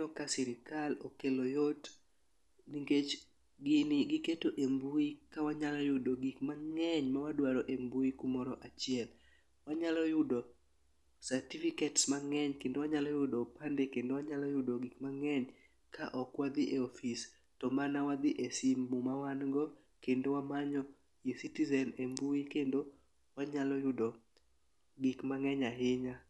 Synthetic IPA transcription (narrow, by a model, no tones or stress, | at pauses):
nɔkasɪɾɪkalokelojot | niŋɡet͡ʃ | ɡɪnɪɡɪketoʔembuikawaɲalɔjʊdoɡikmaŋɛɲmawadwaɾɔʔembuikumɔɾɔʔat͡ʃɪɛl | waɲalɔjʊdo | saɾtifiketsmaŋɛɲkendowaɲalɔjʊdɔpandekendowaɲalɔjʊdoɡikmaŋɛɲ | kʰa̰ʔɔkwad̪ɪʔeɔfis | tɔmanawad̪ɪʔesimbumawanɡɔ | kendowamaɲɔ | jesitizɛnembuikendo | waɲalɔjʊdɔ | ɡikmaŋɛɲaɦɪɲa